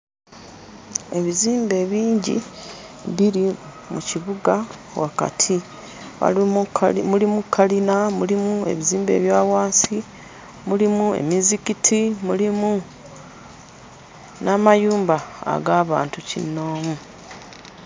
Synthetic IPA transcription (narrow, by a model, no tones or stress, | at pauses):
e̞βiziːmbe̞ːβiːɲɟḭ | βiɾi | muciβuɡa | waka̰tʰi | a̰ | mulimukʰːalinamulimue̞̰βiziːmbe̞̰ːβjaːwaːnsi | mulimue̞̰mizikitʰimulimu | namajuːmbaa̰ɡaːβa̰ːntucḭno̞ːmu